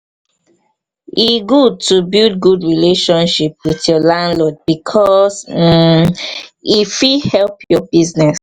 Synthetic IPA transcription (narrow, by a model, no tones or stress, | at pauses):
iɡud̚tubild̚ɡudɹileʃɔ̃nʃip̚wiθjɔlãndlɔd̚bikʰɔs̩ | ifihɛlpʰjɔbiznɛs